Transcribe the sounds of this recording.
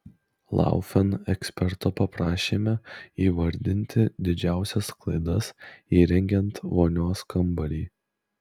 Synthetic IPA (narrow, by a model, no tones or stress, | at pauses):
lˠɑ̰ˑʊfʲɛnɛksʲpʲɛɾt̪opɐpɾɑːʃʲeːmʲɛiːʋɐɾʲd̪ʲɪnʲt̪ʲɪd̪ʲɪd͡ʒʲæˑʊsʲɛsklˠɐɪd̪ɐsiːɾʲɛŋʲɡʲɛnt̪ʋoːnʲoːskɐmbɐlʲiː